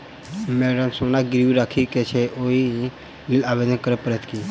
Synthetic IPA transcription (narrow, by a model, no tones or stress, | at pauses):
mɛɖəmsonaɡɾʋiɾakʰiket͡ʃʰeʔoi | lilaːʋed̪nəkəɾəpəɾət̪ki